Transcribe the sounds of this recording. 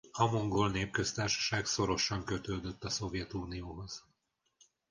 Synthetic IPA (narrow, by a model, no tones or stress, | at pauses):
ɒmoŋɡolneːp̚kø̞st̪aːrʃɒ̥ʃaːɡso̞ɾo̞ʃɒŋkøt̪øːd̪øt̪ːɒso̞vjɛt̪uːnijoːɦo̞z̥